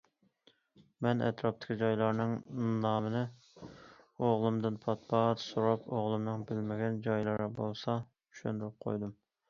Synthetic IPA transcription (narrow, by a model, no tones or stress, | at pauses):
mɛnɛ̰t̪ɾɑp̚t̪ʰɪ̥kʲid͡ʒɑjlˠɑɾnɨŋnɑːmɨnɨ | oʁlˠɨmd̪ɨnpʰɑt̪̚bɑt̪soɾɑpʰoʁlˠɨmnɨŋbɪlmɪɡʲɛnd͡ʒɑjlˠɨɾɨbolˠsɑ | y̥ʃønd̪uɾɨp̚qʰo̰jd̪ɨm